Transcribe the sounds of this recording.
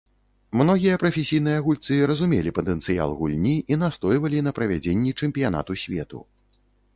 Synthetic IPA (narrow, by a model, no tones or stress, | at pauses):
mnɔɣʲijɐpɾɐfʲesʲijnɨjɐaɣulʲt̪sɨɾɐzumʲelʲipɐt̪ɛnt̪sɨja̰lˠɣulʲnʲiʔinast̪ɔjvɐlʲin̪ɐpɾɐvʲad͡zʲenʲːit͡ʂɛmʲpʲijana̰t̪usʲvʲɛ̰t̪ṵ